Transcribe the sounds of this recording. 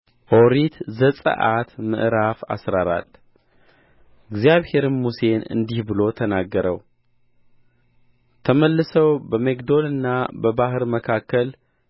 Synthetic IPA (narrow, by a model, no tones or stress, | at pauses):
ʔoɾit̪zəsʼə̰ʔat̪mɨ̰ʔɾafa̰sɾaɾa̰t | ɨɡzijaβhe̞ɾɨnmuse̞nɨ̰nd̪ihbɨlo̞t̪ʰənaɡːəɾəw | t̪ʰəməlːɨsəwbəmekd̪o̞lɨnːabəbaɦɨɾməkʰakʰːəl